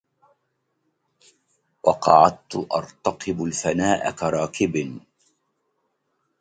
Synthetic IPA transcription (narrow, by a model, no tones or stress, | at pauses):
wɑqɑʕad̪̚t̪ʊʔɑ̰ɾˤt̪ɑqɨbʊlfanaːʔa̰kaɾˤɑːkɪbn